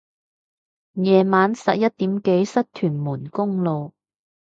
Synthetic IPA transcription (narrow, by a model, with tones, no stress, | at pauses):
jɛː˨˩maː˨˥nsɐ̰˨t̚jɐ˥t̚t̪ːiː˨˥mke˨˥jsɐ˥t̚t̪ʰyː˨˩nmuː˨˩nkʊ˥ŋlo˨˧w